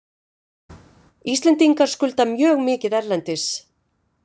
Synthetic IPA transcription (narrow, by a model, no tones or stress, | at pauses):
ist̪lɛnt̪iŋkaɾ̥skʏlt̪amjœːɣmɪːcɪðɛɾlɛnt̪ɪs